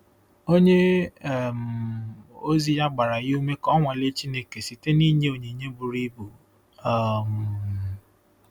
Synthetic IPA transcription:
o˦ɲe˦˨ | m̩˨ | o˦zi˦ja˦ɡ͡ba˨ɾa˨jɪ˦u˦me˦kɔ˦ŋʷa˨le˦t͡ʃi˦ne˨ke˨si˨te˦ni˦ɲe˦o˨ɲe˨ɲe˦bu˨ɾi˦bu˨ | a˦˨m˨

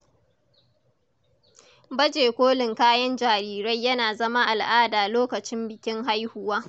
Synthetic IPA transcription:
bɐ˦d͡ʒeː˨kʷoː˦lɪ˨ŋkaː˦jɐ˦nd͡ʒaː˨ɾiː˦ɾɐ˦jːɐ˦naː˨zɐ˦ma˦ʔa˨lʔaː˦daː˨loː˦kɐ˨t͡ʃɪ˦mbɪ˨kʲɪ˦ŋɦa˦jhʊ˦waː˦

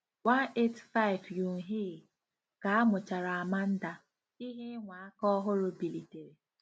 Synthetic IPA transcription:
wa˦ne˦tfa˦ɪ˨vju˨ɦe˦˨ | ka˨a˦mʊ˨t͡ʃa˨ɾa˨a˨ma˦n̩˦da˦ | i˦ɦe˦ŋʷa˨a˦kɔ˦ɦʊ˦ɾʊ˦bi˨li˨te˨ɾe˨

